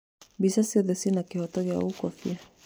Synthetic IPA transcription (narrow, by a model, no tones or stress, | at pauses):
bisasiɔðɛsinakihɔtɔɡja̰ukɔfia